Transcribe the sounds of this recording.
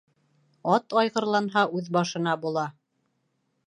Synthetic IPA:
ɑt̪ɑjʁɤ̆ɾlˠɑnɦɑʉðbɑʃɤ̆nɑbulˠɑ

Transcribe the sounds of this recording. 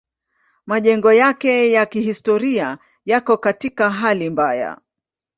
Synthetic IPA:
maʄɛŋɡɔjakɛjakihistɔɾia | jakɔkatikaɦalimbaja̰

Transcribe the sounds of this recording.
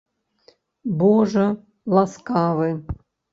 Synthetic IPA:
boʐə | lˠaskavɨ

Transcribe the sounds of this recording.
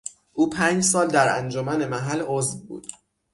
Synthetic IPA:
ʔuːpʰæːnd͡ʒsɒːld̪æɾæ̰nd͡ʒomæne̞mæɦæloːzvbṵːd̪̥

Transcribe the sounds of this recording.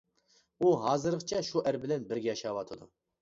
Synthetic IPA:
uɦɑːzɨɾɨʁt͡ʃʰɛʃuʔɛɾbɪlɛnbɪɾɡʲɛɑʃɑwɑt̪ʰɨd̪u

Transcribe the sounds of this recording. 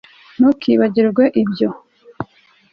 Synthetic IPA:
nukʰiβaɟiɾɾɡweʔibjo

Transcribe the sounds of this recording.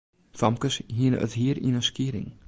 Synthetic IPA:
θamkəsɦin̰ʔœ̰ðhiːɾḭnasciːɾḭŋ

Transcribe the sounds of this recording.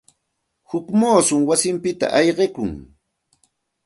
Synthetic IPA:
hʊkmoːsʊŋwasɪmpɪt̪a̰ʔɑjɢekʊŋ

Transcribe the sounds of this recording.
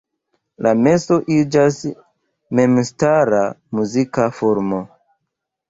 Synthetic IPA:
lame̞so̞ʔid͡ʒas | me̞mstaɾamuzikafoɾmo

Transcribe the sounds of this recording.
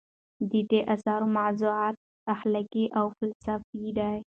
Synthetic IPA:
d̪iʈeʔasɑɾomazuʕɑt̪̚ | ahlakiʔawfalsafid̪aj

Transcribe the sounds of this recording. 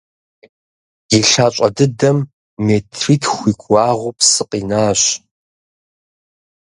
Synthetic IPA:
jiɬaːt͡ʃʷʼɐdɨdɐmː | eːtʰriːtʰxʷiːkʷʰʼːaːʁʷʊpʰsɨqʼiːnaːɕ

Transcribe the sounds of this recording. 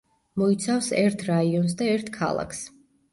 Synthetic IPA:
mɔit̪sʰafsɛɾt̪ʰɾaiɔns̬d̪aɛɾt̪ʰkʰa̰lˠa̰kʰs

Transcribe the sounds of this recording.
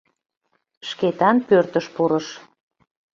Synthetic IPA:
ʃket̪ɑnpørt̪əʃpuɾəʃ

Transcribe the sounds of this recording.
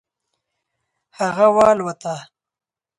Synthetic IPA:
haɣawɑːlwat̪a

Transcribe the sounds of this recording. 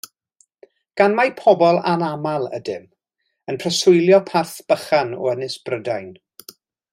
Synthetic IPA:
ɡ̥anmajpʰɔbɔlˠa̰namalˠə̰dɪm | ənpʰrəsʊjlˠjɔpʰarθb̥əχanɔ̰ənɪsb̥rədajn

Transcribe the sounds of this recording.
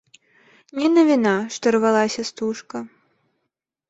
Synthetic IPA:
nʲɛnɐvʲinaʂt̪ɔrvalˠasʲɐst̪uʂkɐ

